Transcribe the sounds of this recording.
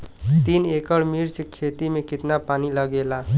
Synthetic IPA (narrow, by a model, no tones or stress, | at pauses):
t̪inekəɽmiɾt͡ʃkʰet̪imekit̪napanilʌɡela